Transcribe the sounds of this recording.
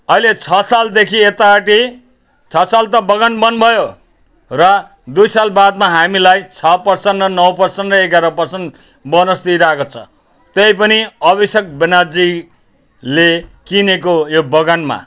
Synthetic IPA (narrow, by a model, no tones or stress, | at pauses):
ʌilet͡sʰʌsald̪ekʰiet̪aʈi | t͡sʰʌsalt̪ʌbʌɡanbʌnbʱʌjo | rʌ | d̪ujsalbad̪̚maɦamilajt͡sʰʌpʌrsʌnɖrʌnʌwpʌrsʌnrʌeɡaɾʌpʌrsʌn | bʌnʌst̪iɾakot͡sʰʌ | t̪ʌjpʌniʌbisʌk̚benad͡zi | lekinekojobʌɡanma̰